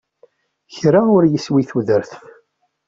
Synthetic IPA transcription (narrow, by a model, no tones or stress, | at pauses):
çɾaʊɾjəswiθuðəɾθf